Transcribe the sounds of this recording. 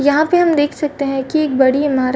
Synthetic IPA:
jɐɦãpeɦɐmd̪eːkʰsɐk̚t̪eɦɛ̃kieːk̚bɐɽiɪmaːɾ

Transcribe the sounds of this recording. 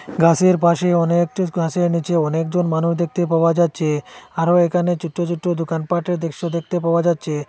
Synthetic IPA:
ɡʱaseɾpaʃeɔnek̚ɡʱaseɾnit͡ʃeɔnekd͡ʒonmanuɦd̪ek̚ʰt̪epawad͡ʒat̪ːt͡ʃʰeaɾoekanet͡ʃuʈːot͡ʃuʈːod̪ukanpaʈed̪ekʃod̪ek̚t̪epawad͡ʒat̪ːt͡ʃʰe

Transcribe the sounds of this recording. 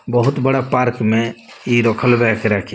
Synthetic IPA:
bəɦʊt̪bəɽapaɾkmẽ | iɾɔkʰəlbɛkʰɾakʰi

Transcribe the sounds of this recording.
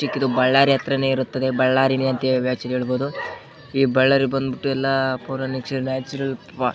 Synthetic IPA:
ikːid̪ubɐɭːaːɾiɦɐt̪ɾɐne̞ːiɾut̪ːɐd̪e̞bɐɭːaːɾineɐnt̪eʋjaːt͡ʃɐd̪ɦeːɭboːd̪u | iːbɐɭːɐɾibɐnd̪biʈːuɛlːɐpoːɾɐnikʂɐɾnaːt͡ʃuɾɐlpa

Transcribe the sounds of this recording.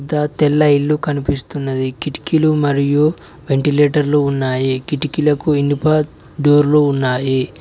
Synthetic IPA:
d̪ɐt̪ɛlːɐilːukɐnipist̪unːɐd̪ikiʈi̥kilumɐɾiju | ʋe̞ɳʈileːʈɐɾluunːaːjikiʈikilɐkuinːipɐ | ɖoːɾlounːaːji

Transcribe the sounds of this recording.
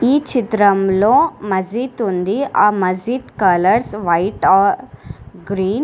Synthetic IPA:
iːt͡ʃit̪ɾɐmloːmɐd͡ʒiːt̪und̪iaːmɐd͡ʒiːt̪kɐlɐɾsʋɐjʈaːɾɡɾiːn

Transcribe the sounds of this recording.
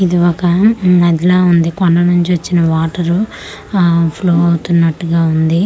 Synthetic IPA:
id̪iɔkɐɐd̪ilaːund̪ikɔɳɖɐnuɲt͡ʃiʋɐt͡ʃːinɐʋaːʈɐɾu | pʰloːɐwut̪unːɐʈːuɡaːund̪i

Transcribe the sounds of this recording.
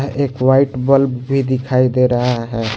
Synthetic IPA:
ɦʔekʋaiʈbəlbbʱid̪ikʰaid̪eɾəɦaɦɛ

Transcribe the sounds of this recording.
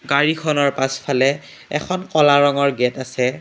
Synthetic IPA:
ɡaɹikʰɔnɔɹpaspʰalɛ | ɛkʰɔnkɔlaɹɔŋɔɹɡɛtasɛ

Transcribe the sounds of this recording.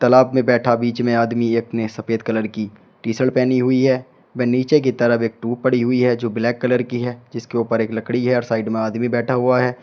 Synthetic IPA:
t̪ɐlaːbmẽbɛːʈʰabiːt͡ʃmẽaːd̪mieːknesɐpeːd̪kɐləɾki | ʈiːsəlpɛːniɦʊiɦɛː | ʋɛ̃ːniːt͡ʃek̬it̪ɐɾəfeːk̚ʈuːppɐɽiɦʊiɦɛd͡ʒoːblɛːkːɐləɾkiɦɛd͡ʒɪskeuːpəɾeːklɐkɽiɦɛɔːɾsaːɪɖmẽaːd̪mibɛːʈʰaɦʊaɦɛː

